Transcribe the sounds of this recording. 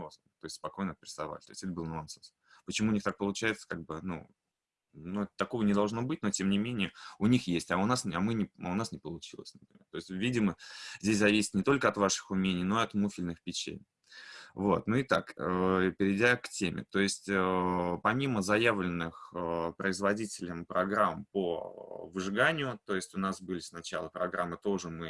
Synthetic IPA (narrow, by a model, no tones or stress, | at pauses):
os | t̪oɪsʲtʲspɐko̞jnəpʲɪɾʲɪst̪ɐva̰lʲɪt̪oɪsʲɛt̪əbɨlˠnoɐnt̪os | pət͡ɕɪmuːnʲixt̪ak̚pəlˠʊt͡ɕæjɪt̪sə̥kaɡ̚bɨnṵ | nuɛt̪ət̪ɐko̞vənʲɪd̪ɐlˠʐno̞bɨtʲnotʲemnʲɪmʲenʲɪjəʊnʲixjesʲtʲɐʊnasɐmɨnʲɪa̰ʊnasnʲɪpəlˠʊt͡ɕilˠə̰sʲnəpɾʲɪ̰mʲe̞rt̪o̞ɪsʲtʲvʲidʲɪməzʲdʲes̬ʲzɐvʲisʲɪ̥t̪nʲɪt̪o̞lʲkəɐt̪vaʂɨ̥xʊmʲenʲɪjno̞ɪɐt̪mufʲɪlʲnɨxpʲɪt͡ɕḛ | vot̪nuɪt̪a̰kpʲɪɾʲɪdʲaktʲemʲɪ̰t̪o̞ɪsʲtʲəpɐmʲiməzɐjavlʲɪnːɨxpɾəɪzvɐdʲitʲɪlʲəmpɾɐɡɾampovɨʐɨɡanʲɪjʊt̪o̞ɪsʲtʲʊnasbɨlʲɪsnɐt͡ɕalˠəpɾɐɡɾamːɨt̪o̞ʐɨmɨ